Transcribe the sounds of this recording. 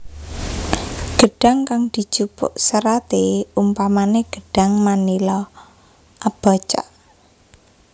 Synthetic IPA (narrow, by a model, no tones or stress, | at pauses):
ɡ̥əɖ̥a̤ŋkaŋd̪̥i̤̥d͡ʒ̥upʊ̰ʔsəɾat̪eumpamaneɡ̥ə̤ɖ̥a̤ŋmanilɔ | ʔab̥at͡ʃa̰ʔ